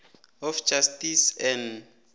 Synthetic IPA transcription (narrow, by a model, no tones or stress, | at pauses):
ɔfd͡ʒastisɛn